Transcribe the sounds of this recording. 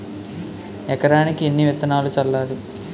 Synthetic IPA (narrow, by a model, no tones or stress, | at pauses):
ɛkɐɾaːnikienːiʋɛt̪ːɐnaːlut͡ʃɐlːaːɾu